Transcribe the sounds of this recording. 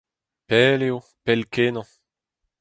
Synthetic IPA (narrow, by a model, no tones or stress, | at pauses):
pɛːleo | pɛlkenɑ̃